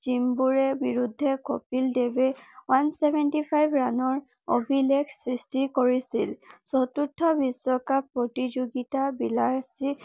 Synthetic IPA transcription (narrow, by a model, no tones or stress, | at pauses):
zimbuɹɛbiɹudʱːɛko̰pildebɛwansɛbʱɛntipʰajbɹanɔɹ | o̰bʱilekʰsɹistikoɹisilsɔtutʰːɔbiswɔkapɹotid͡ʒoɡitabilaɹsi